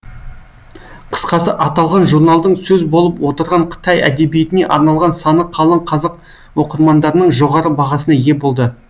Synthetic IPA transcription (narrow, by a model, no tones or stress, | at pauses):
qʰə̥sqɑsəʔɑt̪ɑlˠʁɑnʒuɾnɑlˠd̪əɴsɵzbo̞lˠəpwo̞t̪əɾʁɑɴqʰə̥t̪ɑjæ̰d̪e̞bijet̪ɪne̞ʔɑɾnɑlˠʁɑnsɑnəqʰɑlˠəɴqʰɑzɑq̚ | wo̞qəɾmɑnd̪ɑɾənəɴʒo̞ʁɑɾəbɑʁɑsənɑje̞bo̞lˠd̪ə